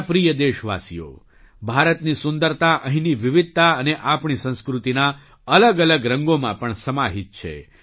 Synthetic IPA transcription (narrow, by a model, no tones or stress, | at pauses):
pɾijəd̪eʃʋa̰sḭjo̰ | bʱaɾət̪nisʊnd̪əɾt̪aʔəɦĩniʋɪʋɪd̪̚ʱt̪aəneʔapɳ̃isə̃ñskɾut̪ina | ələɡələɡɾəŋɡomãpəɳsəmaɦit̪̚t͡ʃʰḛ